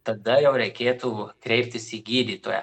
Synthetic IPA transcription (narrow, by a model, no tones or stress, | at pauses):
t̪ɐd̪ɐjɛʊɾʲɛɪkʲeːt̪uːkɾʲɛɪp̚ʲt̪ʲɪsiɡʲiːd̪ʲiːt̪oːjɛ̰